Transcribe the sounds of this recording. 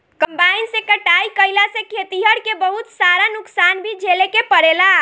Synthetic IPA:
kəmbainsẽkəʈaikəjlasẽkʰet̪iɦəɽkebəɦut̪saɾanuksanbʱid͡ʒelekepəɽela

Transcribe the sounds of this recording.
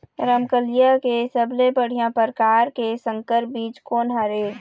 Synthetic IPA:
ɾəmkəlijakesəblepəɽ̤ijãpəɾkaːɾkesə̃ŋkəɾbiːt͡ʃkoːnɦaɾeː

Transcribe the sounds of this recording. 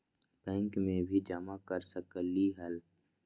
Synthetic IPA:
bɛ̃ːŋkmẽbʱid͡ʒamakəɾsəkəliɦəl

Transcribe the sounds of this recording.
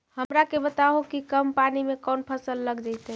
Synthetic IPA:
həmɾakebət̪aɦokikəmpanimekənpʰəsəlːəɡd͡ʒajt̪ɛ

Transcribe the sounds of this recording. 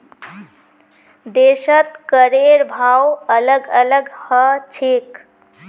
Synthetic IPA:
d̪eʃət̪kəɾeɾbʱawələɡələɡhət͡ʃʰek

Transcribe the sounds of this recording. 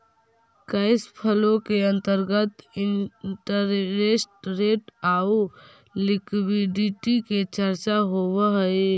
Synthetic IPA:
kəɪspʰəlõkeə̃nt̪əɾɡət̪ɪnʈəɾɾesʈɾeːʈaːu | lɪkwiɖiʈiket͡ʃəɾt͡ʃaɦowɦe

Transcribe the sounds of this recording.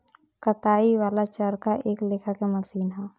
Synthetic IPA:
kət̪aːiʋaːlat͡ʃəɾkaʔeːkleːkʰakemɐsiːnɦɛː

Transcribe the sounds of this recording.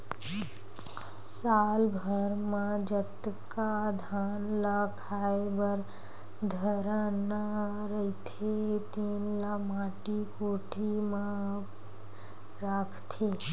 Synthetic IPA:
saːlbʱəɾmãd͡ʒət̪kad̪ʱaːnlakʰaːebəɾ | d̪ʱəɾəna | ɾəit̪ʰet̪iːnlamaːʈikoːʈʰimã | ɾaːkʰt̪ʰe

